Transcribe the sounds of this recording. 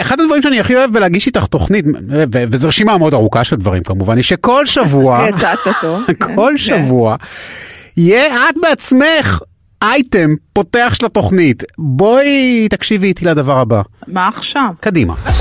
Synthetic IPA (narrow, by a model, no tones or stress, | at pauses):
eχadad̪vaʁimʃeaniaχio̞evbeleaɡiʃit̪aχt̪o̞χnitvevezaʁʃimameodaʁukaʃeldvaʁḭmkamuvaniʃe̞ko̞lʃavuajat͡sat̪at̪ovkʰo̞lʃavua | ijeatbeat͡smeχ | ajtempo̞te̞aχʃlato̞χnitbo̞it̪akʃivitiladavaʁabamaːχʃavkadima̰